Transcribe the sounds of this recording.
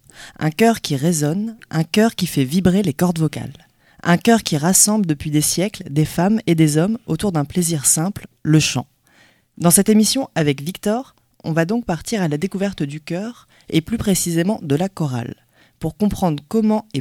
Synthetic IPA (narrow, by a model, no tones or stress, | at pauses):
ɛ̰̃kʲœʁkʲiʁezɔnʔɛ̃kœʁkʲifɛvibʁelekɔʁd̪vɔka̰l | ɛ̃kʲœʁkʲiʁasɑ̃bləd̪əpɥid̪esjɛkld̪efamed̪ezɔmo̰t̪uʁd̪ɛ̃pleziʁsɛ̃plləʃɑ̰̃ | d̪ɑ̃sɛt̪emisjɔ̃avɛkvikt̪ɔʁ | ɔ̰̃vad̪ɔ̃k̚paʁt̪iʁalad̪ekuvɛʁt̪d̪ykʲœːʁ | eplypχesizemɑ̃d̪əlakɔʁa̰l | puʁkɔ̃pχɑ̃d̪ʁkɔmɑ̃e